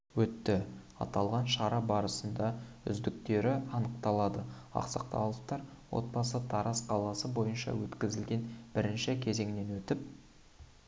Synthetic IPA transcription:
wɵt̪ːɪ | ɑ̰t̪ɑlˠʁɑnʃɑɾɑbɑɾəsənd̪ɑʏ̰zd̪ɪk̚t̪e̞ɾɪɑnəq̚t̪ɑlˠɑd̪əɑ̰qsɑqt̪ɑlˠəpt̪ɑɾwo̞̰t̪̚bɑsət̪ʰɑɾɑsqʰɑlˠɑsəbo̞jənʃɑ̰wɵt̪kʲɪzɪlɡʲe̞nb̥ɪɾɪnʃɪkʲʰe̞ze̞ŋne̞nwɵt̪ɪp̚

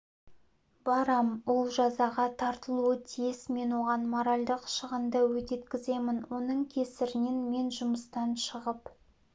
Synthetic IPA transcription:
b̥ɑɾɑmwolˠʒɑzɑʁɑt̪ʰɑɾt̪əlˠuət̪ʰijɪsme̞nwo̞ʁɑnmoɾalʲd̪əqʃəʁənd̪ɑwɵt̪e̞t̪kʲɪze̞mɪnwo̞nəɴkʲʰesɪɾɪnenme̞nʒʊməst̪ɑnʃəʁəp

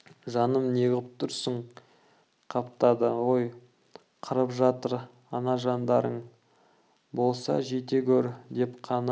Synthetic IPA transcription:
ʒɑnəmneɡʲɪp̚t̪ʰʊɾsəɴ | qʰɑpt̪ɑd̪əwoj | qʰəɾəpʒɑt̪əɾ | ɑnɑʒɑnd̪ɑɾəɴ | bo̞lˠsɑ̰ʒe̞t̪ekʲʰɵɾd̪e̞pqʰɑn

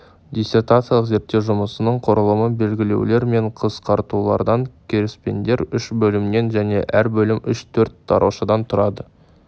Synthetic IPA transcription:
d̪ʲijsʲe̞rt̪at̪sɨjalˠəqze̞ɾt̪ːe̞wʒʊməsənəɴqʰo̞ɾəlˠəməbe̞lɡʲɪle̞̰wle̞ɾme̞ɴqʰəsqʰɑɾt̪ulˠɑ̰ɾd̪ɑŋkʲʰeɾɪspe̞̰nd̪e̞ɾʏʃbɵlɪmne̞nʒæne̞̰ʔæɾbɵlɪmʏʃt̪ʰɵɾt̪̚d̪̥ɑ̰ɾʔṵwʃɑd̪ɑnt̪ʰʊɾɑd̪ə

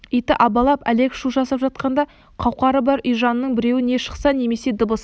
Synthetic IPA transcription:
ijt̪ɪʔɑbɑlˠɑpæle̞kʃuʒɑsɑpʒɑt̪̚qɑnd̪ɑ | qʰɑwqɑɾəbɑɾʏjʒɑnənəɴbɪɾe̞wɪne̞ʃə̥qsɑne̞me̞se̞d̪əbəs

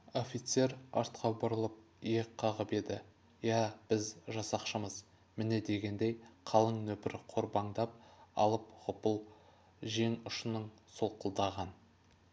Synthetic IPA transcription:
o̞fʲijt̪se̞ɾɑɾt̪qʰɑbʊɾəlˠəp̚ | eqʰːɑʁəpe̞d̪ɪ | jæb̥ɪzʒɑsɑqʃəməz | mɪne̞d̪e̞ɡʲe̞nd̪e̞jqʰɑlˠəɴnɵpɪɾɪqʰo̞ɾbɑɴd̪ɑp̚ɑ̰lˠəpχʊpəlˠ | ʒe̞ŋʊʃənəɴ | solˠqəlˠd̪ɑʁɑn

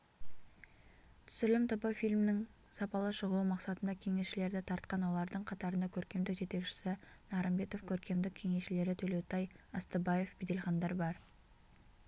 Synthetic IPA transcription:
t̪ʰʏ̥sɪlɪmt̪ʰəbəfijlʲmnɪŋ | sɑpɑlˠəʃəʁəwumɑqsɑt̪ənd̪ɑkʲʰe̞ŋe̞sʃɪle̞ɾd̪ɪt̪ʰɑɾt̪̚qɑnwo̞lˠɑɾd̪əɴqʰɑt̪ɑɾənd̪ɑkʲʰɵɾkʲe̞md̪ɪkʒe̞t̪e̞kʃɪ̥sɪnɑɾəmbe̞t̪o̞fkʲʰɵɾkʲe̞md̪ɪkʲʰːe̞ŋe̞sʃɪle̞ɾɪt̪ʰɵle̞wt̪ɑjəst̪əbɑje̞fbed̪e̞lχɑnd̪ɑɾbɑɾ

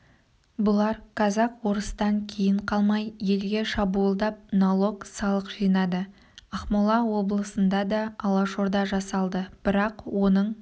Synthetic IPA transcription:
bʊlˠɑɾqʰɑzɑqwo̞ɾəst̪ɑŋkʲʰe̞jɪɴqʰɑlˠmɑjje̞lɡʲe̞ʃɑbuəlˠd̪ɑp̚nolˠo̞ksɑlˠəqʒijnɑd̪ə | ɑχmolˠɑwo̞blˠəsənd̪ɑd̪ɑːlˠɑʃo̞ɾd̪ɑʒɑsɑlˠd̪əb̥ɪɾɑqwo̞nəɴ

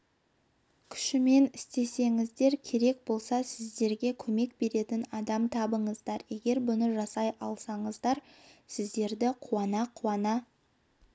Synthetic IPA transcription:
kʲʰʏ̥ʃɪme̞nɪst̪e̞se̞ŋɪzd̪e̞ɾkʲʰe̞ɾe̞k̚bo̞lˠsɑsɪzd̪e̞ɾɡʲe̞kʲʰɵme̞k̚be̞ɾe̞t̪ɪnɑd̪ɑmt̪ʰɑbəɴəzd̪ɑɾje̞ɡʲe̞ɾbʊnəʒɑsɑjɑlˠsɑɴəzd̪ɑɾ | sɪzd̪e̞ɾd̪ɪqʰuɑnɑqʰuɑnɑ

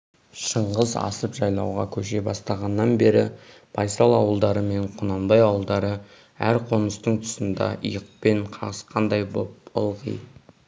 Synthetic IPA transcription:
ʃəɴʁəzɑ̰səpʒɑjlˠɑ̰wʁɑkʲʰɵʃe̞bɑst̪ɑʁɑnːɑnbe̞ɾɪ | b̥ɑjsɑlˠɑwəlˠd̪ɑɾəme̞ɴqʰʊnɑmbɑjɑwəlˠd̪ɑɾə | æ̰ɾqʰo̞nəst̪əɴt̪ʰʊ̥sənd̪ɑ̰ʔə̰jəq̚pe̞ɴqʰɑʁəsqʰɑnd̪ɑjbopʊlˠʁḭj

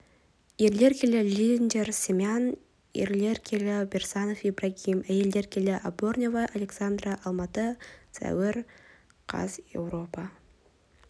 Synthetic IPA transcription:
jeɾle̞ɾkʲʰelʲɪlʲind̪ʲersʲemʲan | jḛɾle̞ɾkʲʰelʲɪbʲersanofibraɡʲimæjeld̪e̞ɾkʲʰe̞lʲɪʔabornʲevaʔalʲeksand̪raʔɑlˠmɑt̪əsæ̰wɪɾ | qʰɑ̰zjḛwro̞pa

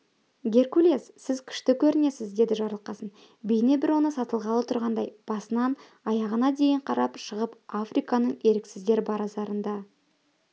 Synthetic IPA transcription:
ɡʲe̞rkulʲiezsɪzkʲʰʏ̥ʃt̪ɪkʲʰɵɾɪne̞sɪzd̪e̞d̪ɪʒɑɾlˠəqɑsən | bejɪne̞bɪɾwo̞nəsɑt̪əlˠʁɑlˠət̪ʰʊɾʁɑnd̪ɑjb̥ɑsənɑn | ɑjɑʁənɑd̪e̞jɪɴqʰɑɾɑpʃəʁəpafrijkɑnəɴe̞ɾɪksɪzɡ̪ʲe̞ɾbɑɾɑzɑɾənd̪ɑ

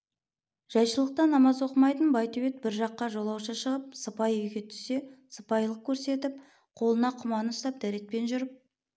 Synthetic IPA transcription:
ʒ̥ɑjʃəlˠəq̚t̪ɑnːɑmɑzwo̞qəmɑjt̪ənbɑjt̪ʰɵβe̞t̪̚bɪɾʒɑqːɑʒo̞lˠɑwʃɑʃəʁəp̚səpɑjʏjɡʲe̞t̪ʰʏ̥se̞səpɑjlˠəq̚kʲʰɵɾse̞t̪ɪp̚ | qʰo̞lˠənɑqʰʊmɑnəst̪ɑp̚d̪æɾe̞t̪̚pe̞nʒʏɾəp̚

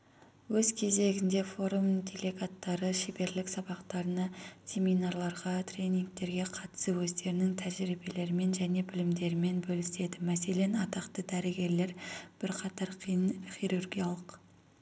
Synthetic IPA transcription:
wɵzkʲʰe̞ze̞ɡʲɪnd̪e̞fo̞ɾumd̪ʲelʲeɡat̪ːɑɾəʃebe̞ɾlɪksɑbɑqt̪ɑɾənɑsʲe̞mijnaɾlˠɑɾʁɑt̪rʲe̞niŋk̚t̪e̞ɾɡʲe̞qʰɑt̪ə̥səwɵzd̪e̞ɾɪnɪŋt̪ʰæʒɾibe̞le̞ɾɪme̞nʒæne̞bɪlɪmd̪e̞ɾɪme̞nbɵlɪse̞d̪ɪmæse̞le̞nɑt̪ɑqt̪əd̪æɾɡʲe̞ɾle̞ɾb̥ɪɾqʰɑt̪ɑɾχijɾurɡʲijalˠəq

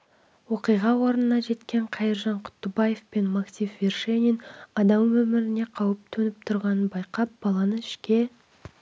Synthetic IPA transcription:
wo̞qijʁɑwo̞ɾənənɑʒe̞t̪kʲe̞ɴqʰɑjəɾʒɑɴqʰʊ̥t̪ːəbɑje̞fpe̞nmaksʲifverʃenʲinɑd̪ɑmwɵmɪɾɪne̞qʰɑwəp̚t̪ʰɵnɪp̚t̪ʰʊɾʁɑnənbɑjqɑp̚b̥ɑlˠɑnəɪʃkʲe̞

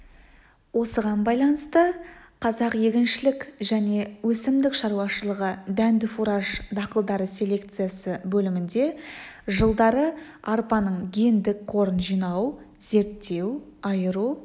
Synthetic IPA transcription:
wo̞səʁɑnbɑjlˠɑnəst̪əqʰɑzɑqje̞ɡʲɪnʃɪlɪkʒæne̞wɵsɪmd̪ɪkʃɑɾuwɑʃəlˠəʁəd̪ænd̪ɪfuɾaʒd̪ɑqəlˠd̪ɑɾəsʲe̞le̞k̚t̪sɨjasəbɵlɪmɪnd̪e̞ʒəlˠd̪ɑɾə | ɑɾpɑnəɴɡʲe̞nd̪ɪk̚qʰo̞ɾənʒijnɑw | ze̞ɾt̪ːe̞w | ɑjəɾu

